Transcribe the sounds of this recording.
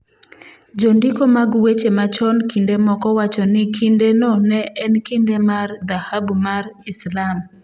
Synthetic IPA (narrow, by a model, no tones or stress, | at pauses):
d͡ʒondikomaɡwet͡ʃemat͡ʃɔnkindemɔkɔwat͡ʃɔnɪkʰindenɔnɛʔɛnkindemard̪ahabmarɪslam